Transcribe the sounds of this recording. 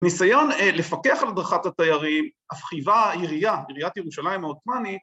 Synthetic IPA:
nisajo̞nle̞fakeaχalad̪ʁaχatat̪ajaʁimafχivajiʁijajiʁijatjeʁuʃalaimhaot̪manit

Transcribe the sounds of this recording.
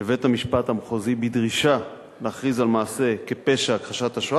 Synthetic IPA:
evethamiʃpathamχozibidʁiʃa | leːχʁizalmaːse̞kepe̞ʃakχaʃataʃ

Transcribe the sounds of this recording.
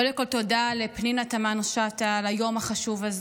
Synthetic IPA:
odeko̞lto̞dalepninatamanʃat̪alajo̞maχaʃuvaz

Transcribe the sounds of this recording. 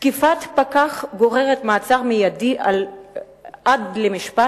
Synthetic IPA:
tkifat̪pakaχɡo̞ʁe̞ʁet̪maːt͡saʁmijadiʔal | ʔadlemiʃpa

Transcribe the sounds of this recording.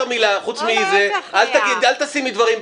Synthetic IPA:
ʁmilaχut͡smizealt̪aɡid̪alt̪asimid̪vaʁim

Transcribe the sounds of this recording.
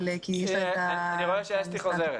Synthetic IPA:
lekijɛʃat̪aniχoevʃeaʃtiχozeʁe

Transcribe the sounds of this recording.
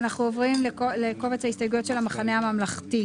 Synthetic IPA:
naχnuovʁimleoleko̞vet͡shahistajɡujo̞t̪ʃelamaχanehamamlaχti

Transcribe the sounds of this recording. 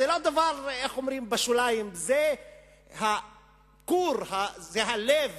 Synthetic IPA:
elo̞d̪avaʁexo̞mʁimbaʃulajimze | ha | kuɾhazeɦalev

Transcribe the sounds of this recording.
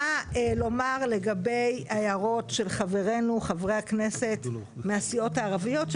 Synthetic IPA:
alo̞maʁle̞ɡabe̞jajaʁo̞tʃe̞lχave̞ʁe̞nuχavʁehakne̞se̞t | measio̞taːʁavijo̞t

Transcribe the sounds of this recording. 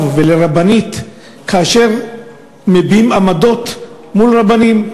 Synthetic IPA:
vveleʁabanit̪ | kʰaːʃe̞ʁ | mebiimamado̞t̪ | mulʁabanim

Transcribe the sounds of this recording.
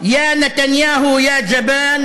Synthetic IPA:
jaːnat̪anjaːɦʊjaːd͡ʒabaːn

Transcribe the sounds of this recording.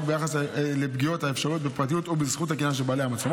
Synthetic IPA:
kbejaχaslebɡio̞thaefʃaʁiot̚bepʁat̪̬ijut̪obizχuthakijanʃ̬ebalehamat͡slom

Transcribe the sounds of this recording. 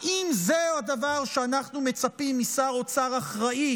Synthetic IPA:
ʔimzead̪avaʁʃeanaχnume̞t͡sapimːisaʁo̞t͡saʁaχʁai

